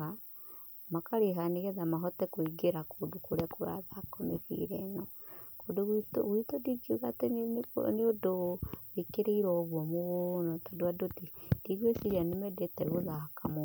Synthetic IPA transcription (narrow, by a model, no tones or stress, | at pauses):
ɣa | makaɾeɦaneɣɛðamaɦɔtɛkoiɡeɾakoːdokoɾeakoɾa̰ðakɔmefḭɾɛnɔ | kodoɣito̰ɣwitodiɡiɣaten̰neodowekeɾeiɾɔɣwɔmoɣonɔtadoadotid̥iɣwesiɾanemɛdɛtɛɣoðaakamo